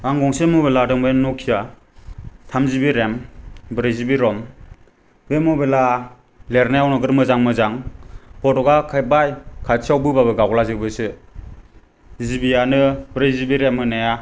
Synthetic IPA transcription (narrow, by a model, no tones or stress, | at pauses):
aŋɡɔŋsemɔbeladɯŋbennːɔkʰija | tʰamzibiɾembɾezibiɾɔm | bemɔbela | leɾnajawnɔɡɯɾmɯzaŋmɯzaŋpɔtɔɡakʰabajkʰasawbɯbabɯɡawɡlazɯbɯsɯ | zibijanɯbɾezibiɾemːɯnaja